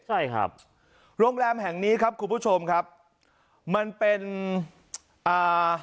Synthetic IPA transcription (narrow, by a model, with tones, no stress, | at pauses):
t͡ɕʰa˥˩jkʰa̰˦˥p̚ | ɾoː˧əŋɾɛː˧mɦɛ˨˩ŋniː˦˥kʰa˦˥p̚kʰu˧npʰuː˦˥˩t͡ɕʰo˧mkʰa˦˥p̚ | ma˧npe˧n | ʔaː˨˩